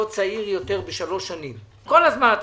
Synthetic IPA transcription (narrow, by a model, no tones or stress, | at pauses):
ot͡saiʁjo̞t̪e̞ʁbeʃalo̞ʃanim | ko̞lazmanat̪